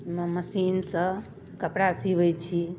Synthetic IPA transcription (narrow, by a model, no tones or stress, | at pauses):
mməsinsə̃ | kəpɽasibəjt͡ʃʰi